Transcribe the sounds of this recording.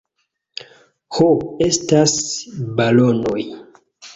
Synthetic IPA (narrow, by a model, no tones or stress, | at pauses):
hoe̞stasbalono̞j